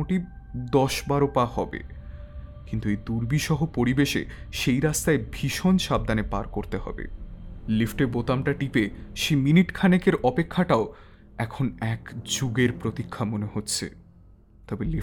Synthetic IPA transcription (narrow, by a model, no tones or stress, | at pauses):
oʈi | d̪ɔʃbaɾopahɔbḛ | kint̪uejd̪uɾbiʃɔɦopoɾibeʃḛ | ʃejɾast̪aebʱiʃonʃab̚d̪anepa̰ɾkoɾt̪eɦɔ̰bḛlifʈeɾbot̪amʈaʈipeʃejminiʈkʰanekeɾɔpekʰːaʈao | ɛkʰonɛkd͡ʑuɡeɾpɾot̪ikʰːamoneɦot̪ːɕʰḛ | t̪ɔbeli